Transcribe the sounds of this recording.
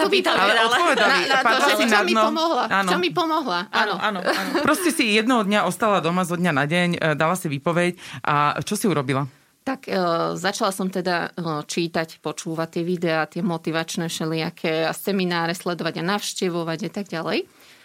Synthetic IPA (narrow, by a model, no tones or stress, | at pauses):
ʋiɔalɛd̪alpɔʋɛalinapaɛsit͡ʃnamipɔmɔɦlaaːnɔɔmipɔmɔɦlaʔaːnɔʔaːnpɾɔscɛsijɛd̪nɛɦɔd̪ɲaʔɔst̪alad̪ɔmazɔd̪ɲanaɟɛɲd̪alasiʋipɔʋɛcʔat͡ʃɔsiuɾɔbila | t̪akːzat͡ʃalasɔmt̪ɛd̪at͡ʃiːt̪acpɔt͡ʃuːʋat̪ːɪɛʋid̪ɛaːt̪ɪɛmɔt̪iʋat͡ʃnɛːfʃɛlɪakʰɛasɛminaːɾɛslɛd̪ɔʋaɟanaʊʃcɛʋɔʋaɟat̪aɡɟalɛ̰j